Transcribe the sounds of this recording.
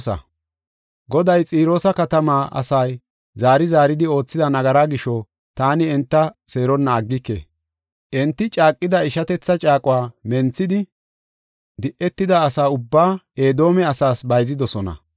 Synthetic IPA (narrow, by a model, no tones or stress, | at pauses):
sɐ̰ | ɡɔd̪ɐjt͡sʼiːɾo̞ːsɐkɐt̪ɐmaːʔɐ̰sɐj | zaːɾɪzaːɾɪd̪ɪo̞ːt͡sːɪdɐnɐɡɐɾaːɡɪʃɔ | t̪aːnɪɛnt̪ːɐse̞ːɾɔnːɐːɡːɪkːḛː | ʔɛnt̪ːɪt͡ʃʼaːkʼːɪd̪ɐɪʃɐt̪ɛt͡sːɐt͡ʃʼaːkʼʊwaːmɛnt͡sːɪd̪ɪ | d̪ɪʔɛt̪ːɪd̪ɐːsaːʊbːaːeːd̪o̞ːmɛɐsaːsbɐjzɪd̪ɔsɔnɐ̰